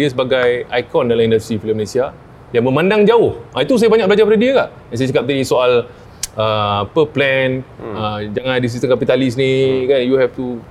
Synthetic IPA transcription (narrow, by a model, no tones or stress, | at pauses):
iəsəbaɡajajkɔndalahindast̪ɾifiləmːəlesia | jaŋməmãndaŋd͡ʒaʊhʔait̪us̬ajabaɲak̚ʔbəlad͡ʒapadədiəkaʔ | jans̬ajat͡ʃakap̚t̪aɡisoal | əpəplɛnəd͡ʒaŋãndis̬it̪əŋkapit̪alisnikanjuhɛft̪u